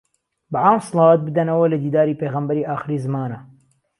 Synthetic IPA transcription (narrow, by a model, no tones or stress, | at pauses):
baʔaːmsˤɨlˠɑːwt̪̚bɨd̪ɐnɐwɐlɐd̪iːd̪aːɾiːpeːɣɐmbɐɾiːʔaːxɨɾiːzɨmaːnɐ